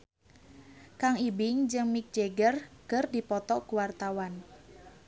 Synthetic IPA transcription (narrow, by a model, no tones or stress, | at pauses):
kaŋibɪŋd͡ʒɨŋmik̚d͡ʒeɡərkərdipɔt̪ɔkuwart̪awan